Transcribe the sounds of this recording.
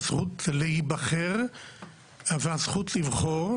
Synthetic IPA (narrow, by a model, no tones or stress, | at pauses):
sχutlehibaχeʁ | veazχutlivχoʁ